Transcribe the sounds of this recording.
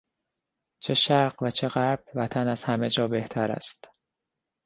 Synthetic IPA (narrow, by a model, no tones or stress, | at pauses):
t͡ʃʰe̞ʃæɾɢvæt͡ʃʰe̞ɣæɾb̥̚væt̪ʰænæz̥hæme̞d͡ʒɒːbe̞ht̪ʰæɾæ̰st̪